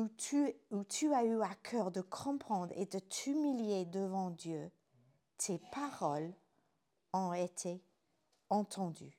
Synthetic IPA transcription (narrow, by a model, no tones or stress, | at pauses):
ut̪ʰyayakʲʰœʁd̪əkʰɔ̃pχɑ̃d̪ʁḛd̪ət̪ymiljed̪əvɑ̃d̪jø | t̪ʰepaʁɔl | ɔ̃et̪ʰe | ɑ̃t̪ʰɑ̃d̪y̰